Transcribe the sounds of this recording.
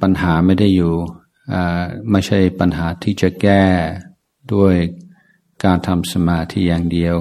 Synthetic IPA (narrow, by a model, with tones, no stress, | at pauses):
pa˧nɦaː˩˦ma˥˩jda˥˩jːuː˨˩ | ʔaː˧˩ma˥˩t͡ɕʰa˥˩jpa˧nɦaː˩˦t̪ʰiː˥˩t͡ɕa˨˩kɛː˥˩ | du˥˩əj | kaː˧nt̪ʰa˧msa˧maː˧t̪ʰiː˧˥˩jaː˨˩ŋdi˧əw